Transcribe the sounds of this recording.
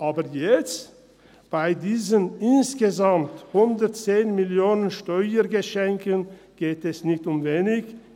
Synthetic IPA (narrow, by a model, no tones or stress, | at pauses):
ʔaːbəjɛt͡st | b̥aɪdiːzənɪnsɡ̥əzamthʊndətt͡seːnmɪljoːnənʃtɔʏəɡəʃɛŋkən | ɡ̥eːtɛsnɪçtʊmveːnɪç